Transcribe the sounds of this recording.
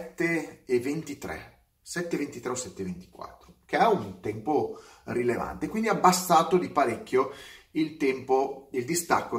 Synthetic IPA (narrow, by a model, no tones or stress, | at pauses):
t̪ːeːvent̪it̪ɾɛ̰ | sɛt̪ːevent̪it̪ɾɛosɛt̪ːevent̪i̥kwa̰t̪ːɾokeaunt̪ɛmpo | rileva̰nt̪ekwind̪iabːastaːt̪od̪ipaɾekʲːjoilt̪ɛmpoild̪ist̪a̰kːo